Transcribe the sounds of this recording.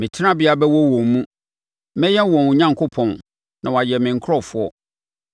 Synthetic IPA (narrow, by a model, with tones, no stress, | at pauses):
mɪ̃˨t͡ɕʰɪ˦nã˦bɪ˨˦a˨bɛ˦wɔ˦wɔ̃˨m˨mũ˦ | mɛ̃˦jɛ˦wɔ̃˨n˨ɲã˦ŋkʰo˦pʰɔ̃˨n | nã˨wa˨jɛ˨mɪ̃˨ŋ̩˨kʰɾɔ˦fʊ˦ɔ˦